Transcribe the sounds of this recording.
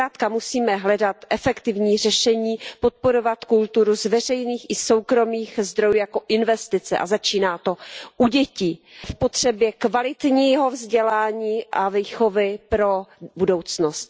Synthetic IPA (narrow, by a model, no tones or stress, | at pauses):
aːt̪kamusiːmɛɦlɛdat̪ʔɛfɛkt̪ɪvɲiːr̝ɛʃɛɲiːpo̞t̪̚po̞ɾo̞vat̪kult̪uɾuzvɛr̝ɛjniːxʔɪso̞wkɾo̞miːxzd̪ɾojujako̞ʔɪnvɛst̪ɪt͡sɛ̰ʔa̰zat͡ʃiːnaːt̪o̞ʔuɟɛcifpo̞t̪r̝̥ɛbjɛkvalɪt̪ɲiːɦo̞vzɟɛlaːɲiːʔaviːxo̞vɪpɾo̞budo̞wt͡snost̪